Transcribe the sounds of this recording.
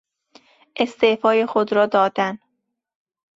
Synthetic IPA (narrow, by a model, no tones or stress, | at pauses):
ʔe̞st̪efɒːjexod̪ɾɒːd̪ɒːd̪æn